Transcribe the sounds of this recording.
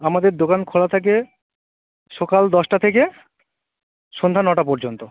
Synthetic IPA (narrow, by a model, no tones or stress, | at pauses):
amad̪eɾd̪okankʰolat̪ʰak̬e | ʃɔkald̪ɔʃʈat̪ʰeke | ʃond̪ʱanɔʈapɔɾd͡ʑont̪o